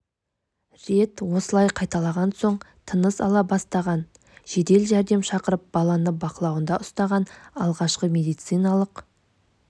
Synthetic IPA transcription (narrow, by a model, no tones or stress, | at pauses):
ɾe̞t̪wo̞səlˠɑjqʰɑjt̪ɑlˠɑʁɑnso̞ɴ | t̪ʰənəsɑ̰lˠɑbɑst̪ɑʁɑn | ʒ̥e̞d̪e̞lʒæɾd̪e̞mʃɑqəɾəp̚bɑlˠɑnəbɑqəlˠɑwənd̪ɑʔʊst̪ɑʁɑnɑlˠʁɑʃqəmʲe̞d̪ijt̪sɨjnɑlˠəq